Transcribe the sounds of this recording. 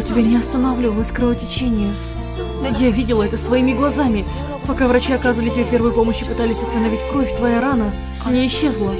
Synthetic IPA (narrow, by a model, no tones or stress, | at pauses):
tʲɪbʲanʲɪɐst̪ənɐvlʲilˠəsʲkɾəvətʲɪt͡ɕenʲɪjə | javʲidʲɪlˠəɛt̪əsvɐimʲɪɡlˠɐzamʲɪ | pɐkavɾɐt͡ɕiɐkazəɨvəlʲɪtʲɪbʲepʲe̞rvəjpo̞məɕːɪpɨt̪alʲɪsʲɐst̪ənɐvʲitʲkɾo̞fʲt̪vɐjaɾanə | nʲeɪɕːe̞zlˠə